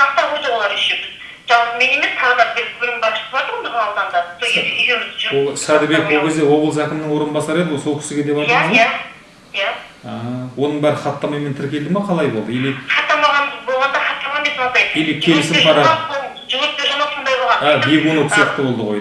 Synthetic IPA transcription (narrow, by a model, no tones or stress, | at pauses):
ɑqt̪ɑʁujd̪əwolˠɑɾɪʃebɪz | ʒɑlˠpəme̞ne̞me̞stʰɑlˠɑd̪ɑɾbɪlʲbɪɾɪŋbɑɾʃə̥ɑt̪əɾməzɑlˠd̪ɑnd̪ɑəsoed̪eʏɡʲemzʒsɑd̪ɪbe̞kwolkʲʰe̞zd̪ewo̞bəlˠzækʲɪmnɪŋwo̞ɾənbɑsɑɾe̞d̪ɪwoso̞lˠkʲʰɪ̥sɪɡʲe̞d̪epɑjt̪ɑmzæ | ja | ɑwonəɴbæɾɪχɑt̪ːɑmɑjment̪ʰɪɾkʲʰe̞ld̪ɪmɑqʰɑlˠɑjbo̞lˠd̪əeld̪eχʰɑt̪ːɑmɑʁɑnbo̞lˠʁɑnd̪ɑχɑt̪ːɑmɑmeswond̪ɑjelekʲʰe̞lɪsɪmʰɑɾɑd̪o | ʒɪɡʲɪɾp̚t̪ʲeʒɑmɑso̞nd̪ɑjbolˠʁɑnabeɡonok̪sjɑq̚t̪əbo̞lˠd̪əʁoj